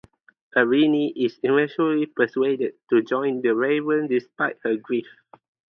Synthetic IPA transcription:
əɹiniʔisivɛ̃ʃəlipəswedəd̚tud͡ʒɔ̃ɪ̃ndəɹevə̃ndispaɪt̚həɡɹif

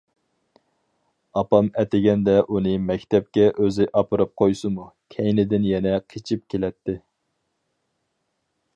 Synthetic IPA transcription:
ɑpɑmɛt̪ɪɡʲɛnd̪ɛʔunɨmɛkʲt̪ʰɛp̚kʲɛʔøzɪʔɑpɨɾɨp̚qʰojsɨmukʲʰɛjnɪd̪ɪnjɛnɛqʰet͡ʃʰip̚kʲʰelɛt̪ːɪ

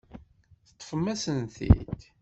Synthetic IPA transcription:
θət̪ˤːfəmːæsənθḭd̪

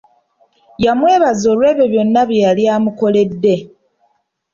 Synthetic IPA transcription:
jamwe̞ːβazo̞ːlwe̞ːβe̞βjo̞nːaβjjaljaːmuko̞le̞dːe̞

